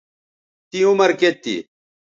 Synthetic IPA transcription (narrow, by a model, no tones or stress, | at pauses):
t̪iumɐɾket̪ːḭ